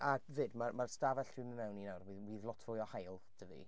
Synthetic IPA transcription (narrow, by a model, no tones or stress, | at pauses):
ʔavɨːdmarmarstavɛɬd̥wiməmɛwninawrwiwiːðlˠɔtʰv̥ʊjɔhajlˠd̥ʰəvḭ